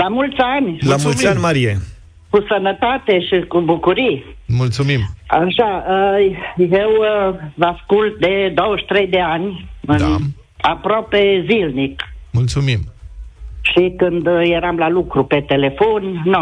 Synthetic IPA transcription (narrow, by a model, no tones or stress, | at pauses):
lamult̪sʲanʲlamulanʲmaɾie | kusənət̪at̪eʃikubukuɾimult̪sumimaʃaəjewvaskult̪̚d̪ed̪owəʃt̪ɾejd̪eanʲɨ | apɾapezilnikmult̪sumim | ʃikɨnd̪jeɾamlalukɾupe̞t̪ele̞fonːo